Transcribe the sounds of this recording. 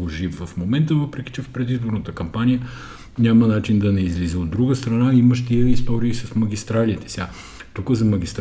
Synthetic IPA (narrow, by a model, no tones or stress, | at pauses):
oʒivɐfmomɛnt̪əvɤpɾɛki̥t͡ʃɛfpɾɛd̪izboɾnət̪əkɐmpanijə | nʲamənat͡ʃind̪ɐnɛizlizəod̪ːɾuɡəst̪ɾɐnaiməʃt̪iəist̪ɔɾiːsɐsmɐɡʲist̪ɾalit̪ɛ̥sʲa | t̪ukəzɐmɐɡʲist̪